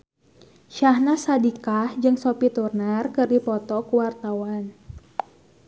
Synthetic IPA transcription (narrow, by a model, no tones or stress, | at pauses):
ʃahnasadikahd͡ʒɨŋsopit̪urnarkɨrdipɔt̪ɔkuwart̪awan